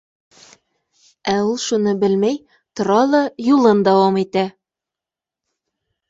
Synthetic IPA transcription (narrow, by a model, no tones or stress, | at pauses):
æulˠʃunɤbɘlmæj | t̪ŏɾɑlˠɑjulˠɤnd̪æwɑmit̪æ